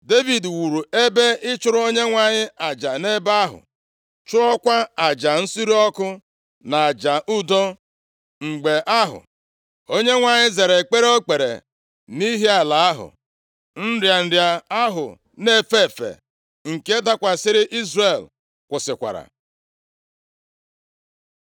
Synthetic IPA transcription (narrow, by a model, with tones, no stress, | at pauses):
de˦vi˨dwu˨ɾu˨e˦be˦ɪ˦t͡ʃʊ˦ɾʊ˦o˦ɲe˦ŋʷa˨ɲɪ˦a˨d͡ʒa˨ne˦ba˦a˦ɦʊ̰˨ | t͡ʃʊ˦ɾɔ˦kʷa˦a˨d͡ʒa˨n̩˦su˦ɾi˦ɔ˦kʊ˦ | na˨a˨d͡ʒa˨ʔu˦do˦ | ŋ͡m̩˨ɡ͡be˨ʔa˦ɦʊ̰˨ | o˦ɲe˦ŋʷa˨ɲɪ˦ze˨ɾe˨k͡pe˦ɾe˦o˦k͡pe˨ɾḛ˨ | ni˦ɦi˦a˨la˨a˦ɦʊ̰˨ | n̩˦ɾja˨n̩˨dja˨a˦ɦʊ̰˨ | ne˦˨fe˦˨fḛ˨ | ŋ̩˨ke˦da˦kʷa˨sɪ˦ɾɪ˦ʔi˦zre˨l | kʷʊ˨sɪ̰˨kʷa̰˨ɾa̰˨